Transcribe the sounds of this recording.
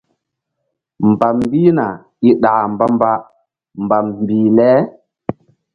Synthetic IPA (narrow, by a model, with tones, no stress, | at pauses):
mba˨mbiː˦na˨ | i˦ɗa˨mba˦mba˦ | mba˨mmbiː˨lɛ˦